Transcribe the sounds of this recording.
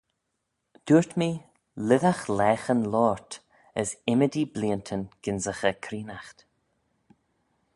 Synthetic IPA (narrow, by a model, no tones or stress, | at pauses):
d̪̥uːɹt̪mi | lɪðaxlɛːxənlɔːɹt̪ | əsɪməd̪ibliːənt̪ʰənɡ̥ɪnzəxəkʰɾiːnaxt̪